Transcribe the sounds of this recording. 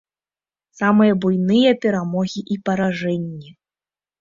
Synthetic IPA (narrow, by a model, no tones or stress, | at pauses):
samɨjɐbujnɨjɐpʲɛɾamɔɣʲiʔipɐɾaʐɛnʲːɛ